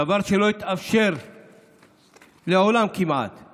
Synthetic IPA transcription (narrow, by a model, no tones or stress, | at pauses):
avaʁʃeloit̪afʃeʁ | leolamkima̰t̪